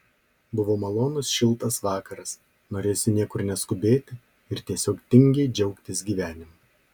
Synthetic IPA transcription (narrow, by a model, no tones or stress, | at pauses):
bʊʋoːmɐlˠoːnʊsʃʲɪlˠˑt̪ɐsʋɑːkɐɾɐs | noːɾʲeːjsʲɪnʲiɛkʊɾnʲɛskʊbʲeːt̪ʲɪ | ɪɾt̪ʲiɛsʲoːkt̪ʲɪŋʲɡʲɛɪd͡ʒʲɛʊkt̪ʲɪsɡʲiːʋʲæːnʲɪmɐ